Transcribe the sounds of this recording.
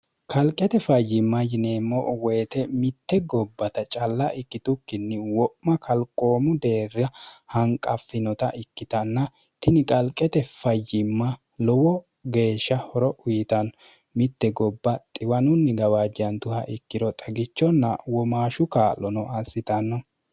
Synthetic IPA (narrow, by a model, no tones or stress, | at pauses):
kʰʼɐlkʼɛt̪ɛfɐjːɪmːɐjɪneːmːɔweːt̪ɛmɪt̪ːɛɡɔbːɐt̪ɐt͡ʃʼɐlːɐʔɪkːɪt̪ʊkːɪnːɪwɔʔmɐkʰɐlkʼːo̞ːmʊd̪e̞ːrːɐhɐŋkʼɐfːɪnɔt̪ɐʔɪkːɪt̪ɐnːɐ | t̪ɪnɪkʼɐlkʼɛt̪ɛfɐjːɪmːɐ | lɔwɔ | ɡe̞ːʃːɐhɔɾɔʔʊjɪt̪ɐnɔ | mɪt̪ːɛɡɔbːɐt̪ʼɪwɐnʊnːɪɡɐwaːd͡ʒɐnt̪ʊhɐʔɪkːɪɾɔt̪ʼɐɡɪt͡ʃːɔnːɐ̰wɔmaːʃʊkaːlːɔnɔɐsːɪt̪ɐnːɔ